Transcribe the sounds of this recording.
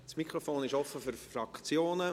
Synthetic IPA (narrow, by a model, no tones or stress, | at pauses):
smikʰɾɔfoːnɪʃɔfːəfʏɾfrɑkt͡sjoːnə